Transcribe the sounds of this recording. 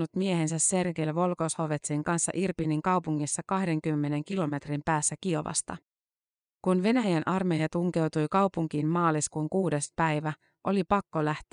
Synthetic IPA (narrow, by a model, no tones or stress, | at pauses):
ut̪mie̞he̞nsæsːe̞rkelʋo̞lkoshoʋe̞t̪siŋkɑnsːɑ̰ʔirpiniŋkɑwpuŋːisːɑkɑhde̞ŋkymːe̞ne̞ŋkilo̞me̞t̪rimpæːsːækio̞ʋɑ̰st̪ɑ̰ | kunʋe̞næjænʔɑrme̞jɑt̪uŋke̞wt̪ujkɑwpuŋk̟iːmmɑːliskuːŋkuːde̞spæjʋæ | ʔo̞lipɑkːolæht̪e